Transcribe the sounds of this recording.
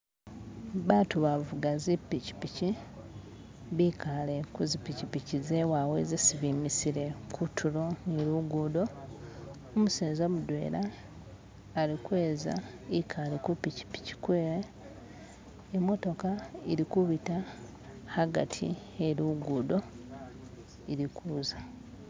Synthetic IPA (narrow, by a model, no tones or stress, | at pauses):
βaːtuβavuɡazipːici̥pici | βikale̞kuzipicipicizewawḛzisiβimisiɾe̞kʰutʰulo̞niɾuɡuːdo̞ː | museːzomudwe̞̰ːla | likwe̞ːza̰ | ikʰalekupici̥pi̥ci̥kweːɾe | emːo̞to̞kaiɾikuβita | haɡa̰tʰḭ | eluɡuːdo̞ | iɾikuːza